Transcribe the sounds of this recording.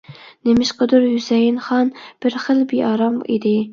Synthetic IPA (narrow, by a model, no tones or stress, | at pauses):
nemɪʃqəd̪ʊɾhysɛjɪnχɑnb̥ɪɾχəlˠbiʔɑɾɑmid̪ɪ